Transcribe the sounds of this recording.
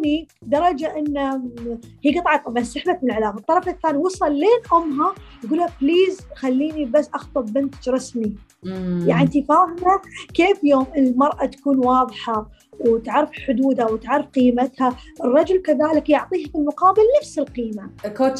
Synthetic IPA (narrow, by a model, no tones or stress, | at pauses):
nid̪ɑɾˤɑd͡ʒaʔɪnːa | hiːɡɨt̪ˤʕɑt̪ˤːɑbʕɑnsɪħbat̪mɪnlʕɪlaːmɑt̪ˤːɑɾˤɑfakːaːnwɑsˤɑlːeːnʔʊmːɦajɡuːlhabliːzxalːiːnibasːʔɑxt̪ˤɨbbɪnt̪d͡ʒɾˤɑsni | jaʕnt̪ifaːhɪmakeːfjoːmʔɪnlmɑɾˤʔat̪ḁkuːnwɑːðˤħɑ | wt̪ʕɑrˤːfħʊd̪uːd̪awɪt̪ʕarˤːɑfqiːmat̪haʔɨrˤːɑd͡ʒʊlkaðaːlɪkjʊʕt̪ˤiːhafilmʊqɑːbɪlnafsɪlqiːma